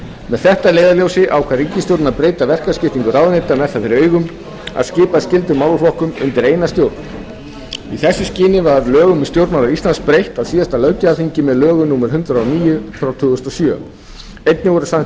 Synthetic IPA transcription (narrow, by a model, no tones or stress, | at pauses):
mɛðθɛht̪alejðaljowsɪʔawkʰvaɾicːɪst̪jowɾt̪naðpɾeːjt̪avɛr̥kascɪft̪iŋkʏɾawðʏnejt̪amɛθːafɪɾɪɾœːɥjɣʏm | a̰ðscɪːpascɪlt̪ʏmawlflɔhkʏmʏ̰nt̪ɪɾejnast̪jowɾt̪na | iθɛsːɪscɪːnɪvaɾlœːɣʏmɛst̪jowɾt̪malaist̪lansk̚pɾejht̪aðsiːðast̪alœɥcaafiɲcɪmɛðlœːɣʏnuːmɛɾhʏnt̪ɾaawniːjʏθɾawt̪ʰʏːɣʏst̪ɔsjœː | ejt̪̚nɪɣɔɾʏsa